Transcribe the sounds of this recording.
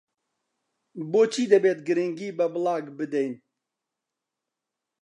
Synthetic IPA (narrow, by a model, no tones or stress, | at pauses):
boːt͡ʃʰiːd̪ɛbeːt̪̚ɡɨɾɪŋɡiːbɛbɨlɑːɡbɨd̪ɛjn